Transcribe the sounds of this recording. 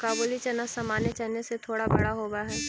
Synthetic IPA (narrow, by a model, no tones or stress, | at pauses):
kaːboːlit͡ʃɐnəsɐmaːnet͡ʃɐneset̪ʰoːɽabɐɽaɦoːbaɦɛː